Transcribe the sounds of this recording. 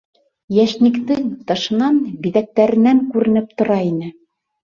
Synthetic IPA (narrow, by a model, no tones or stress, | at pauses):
jæʃnikt̪ɘŋt̪ɑʃɤ̆nɑnbiðæk̚t̪æɾɘ̆næŋkʉɾɘ̆nɘp̚t̪ŏɾɑinɘ